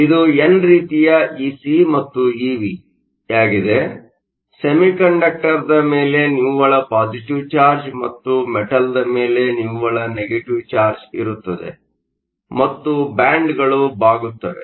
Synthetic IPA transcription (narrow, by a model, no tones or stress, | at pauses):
id̪uenːɾiːt̪ijɐiːsimɐt̪ːuiːʋi | jaːɡid̪e̞ | semikɐɳɖɐk̚ʈɐɾd̪ɐmeːle̞niʋʋɐɭɐpaːd͡ʒiʈiʋt͡ʃaːɾd͡ʒmɐt̪ːumɛʈɐld̪ɐme̞ːle̞niʋʋɐɭɐneɡeʈiʋt͡ʃaːɾd͡ʒḭɾut̪ːɐd̪e̞̰ | mɐt̪ːubaːɳɖɡɐɭubaːɡut̪ːɐʋḛ